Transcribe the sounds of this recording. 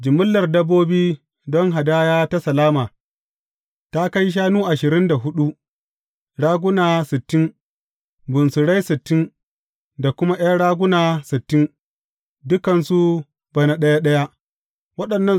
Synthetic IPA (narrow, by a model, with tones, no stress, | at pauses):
d͡ʒɪ˨mʊ˦lːɐ˨rdɐ˦bːoː˦biː˦ | dɔ˦ŋɦa˨daː˦jaː˦ta˦sɐ˨laː˦maː˨ | ta˦ka˦jʃ̬aː˦nuː˦ʔa˨ʃɪ˨ɾɪ˦nda˨ɦʊ˦ɗu˦ʔ | ɽaː˦ɡʷʊ˦naː˨sɪ˨tːɪ˦n | bʊ˨nsʊ˨ɽa˦jsɪ˨tːɪ˦n | da˨kʷʊ˦ma˦ʔj̰a˦ɽaː˦ɡʷʊ˦naː˨sɪ˨tːɪ˦n | dʊ˦kɐ˨nsu˦ | b̥ɐ˨na˨ɗɐ˦ja˦ɗɐ˦ja˦ | wɐ˦ɗɐ˨nːɐ˦